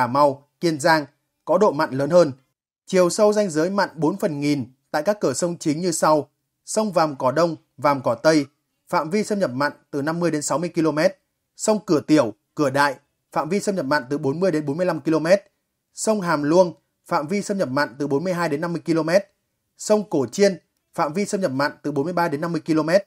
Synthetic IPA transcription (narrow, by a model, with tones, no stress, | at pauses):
aː˧˩ma˧w | ki˧ənzaː˧ŋ | kɔ˨˦ɗo̰˧˨ma̰˧˨nləː˨˦nhəː˧n | t͡ɕi˨˩əwsə˧wza˧jŋ̟zəː˨˦jma̰˧˨nɓo˨˦nfə˨˩nŋi˨˩nt̪a̰ː˧˨jkaː˦˥kːɨ˧˩əsə˧wŋ͡mt͡ɕï˨˦ŋɲɨ˧sa˧w | sə˧wŋ͡mvaː˨˩mkɔ˧˩ɗə˧wŋ͡m | vaː˨˩mkɔ˧˩t̪ə˧j | fa̰ː˧˨mvi˧səː˧mɲə˨˩p̚ma̰˧˨ŋt̪ɨ˨˩na˧mːɨ˧əjɗe˨˦nsa˨˦wmɨ˧əjki˧lo˧mɛ˦˥t̚ | sə˧wŋ͡mkɨ˧˩ət̪i˧˩əw | kɨ˧˩əɗa̰ː˧˨j | fa̰ː˧˨mvi˧səː˧mɲə˨˩p̚ma̰˧˨n̟t̪ɨ˨˩ɓo˨˦nmɨ˧əjɗe˨˦nɓo˨˦nm˧əla˧mki˧lo˧mɛ˦˥t̚ | sə˧wŋ͡mɦaː˨˩mlu˧ən | fa̰ː˧˨mvi˧sə˧mɲə˨˩p̚ma̰˧˨ŋt̪ɨ˨˩ɓo˨˦nmɨ˧əjɦaː˧jɗe˨˦nːa˧mːɨ˧əjki˧lo˧mɛ˦˥t̚ | sə˧wŋ͡mko˧˩t͡ɕi˧ən | fa̰ː˧˨mvi˧səː˧mɲə˨˩p̚ma̰ː˧˨ŋt̪ɨ˨˩ɓo˨˦nmɨ˧əjɓaː˧ɗe˨˦nːa˧mːɨ˧əjki˧lo˧mɛ˦˥t̚